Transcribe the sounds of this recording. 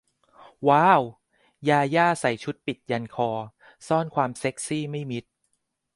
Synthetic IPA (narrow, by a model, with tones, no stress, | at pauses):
waː˦˥w | jaː˧jaː˥˩sa˩˦jt͡ɕʰu˦˥t̪̚pi˨˩t̪̚ja˧nkʰɔː˧ | sɔː˥˩nkʰwaː˧mse˦˥k̚siː˥˩ma˥˩jmi˦˥t̪̚